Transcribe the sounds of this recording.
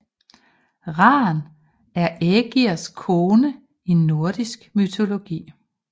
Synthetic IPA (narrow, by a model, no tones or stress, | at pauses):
ʁɑ̈ːn | æɐʔɛɡ̥iɐskʰoːnə | inːo̝ɐd̥isɡ̥myt͡sʰo̝lo̝ɡ̥ḭː